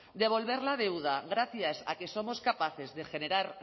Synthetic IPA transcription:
d̪e̞β̞o̞lβ̞e̞ɾlað̞e̞wð̞aɣɾaθjasa̰ke̞so̞mo̞skapaθe̞zðe̞xe̞ne̞ɾaɾ

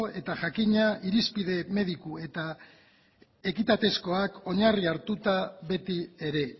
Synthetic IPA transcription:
e̞t̪aʝakiɲaiɾispiðe̞me̞ðikue̞t̪a | e̞kit̪at̪e̞sko̞ako̞ɲariaɾt̪ut̪aβe̞t̪ie̞ɾe̞

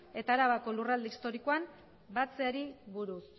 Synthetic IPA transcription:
e̞t̪aːɾaβako̞lurald̪eist̪o̞ɾikoam | bat͡seaɾiβuɾus

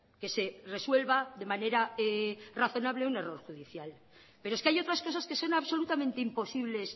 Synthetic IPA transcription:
ke̞se̞reswe̞lβaðe̞mane̞ɾaeraθo̞naβle̞une̞ro̞ɾxuðiθjal | pe̞ɾoeskeajo̞t̪ɾasko̞saske̞so̞naβso̞lut̪amẽnt̪eimpo̞siβle̞s

